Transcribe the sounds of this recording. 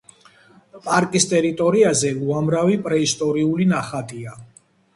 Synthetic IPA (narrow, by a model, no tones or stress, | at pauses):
pʼaɾkʼist̪ʼɛɾit̪ʼɔɾiazɛuamɾavipʼɾɛist̪ʼɔɾiulinaχat̪ʼia